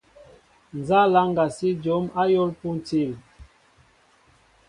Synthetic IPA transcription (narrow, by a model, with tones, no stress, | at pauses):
n˨za˦la˦ŋɡa˨si˦d͡ʒɔ˨˦ma˦jɔ˦lpu˦n˨ti˦˨l